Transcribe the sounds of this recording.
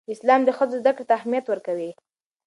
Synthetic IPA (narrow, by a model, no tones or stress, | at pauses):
ɪslɑmd̪əxəzozd̪akɽet̪aːhmijat̪wəɾkawi